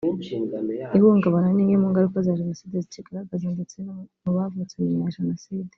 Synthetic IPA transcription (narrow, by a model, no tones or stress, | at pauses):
iβuŋɡaβananiŋemuŋɡaɾikazaːʒenosiːd̪izit͡ʃiɡaɾabaziːndut͡semuβavut͡seɲiɲaʒenosidi̥